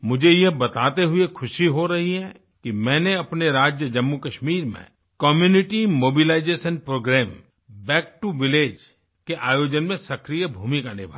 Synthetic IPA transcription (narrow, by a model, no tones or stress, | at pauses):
mʊd͡ʒʱejebɐt̪aːt̪eɦʊekʰʊʃiɦoɾɐɦiɦɛ̃ | kimɛ̃ːneɐpneɾaːd͡ʒjəd͡ʒɐmːukɐʃmiːɾmḛ̃ | kɔːmjuːnɪʈimoːbilaːɪd͡ʒeːʃənpɾoːɡɾɛːm | bɛːk̚ʈuʋɪleːd͡ʒ | keʔaːjoːd͡ʒənmẽsɐkɾijəbʱuːmikanɪbʱa̰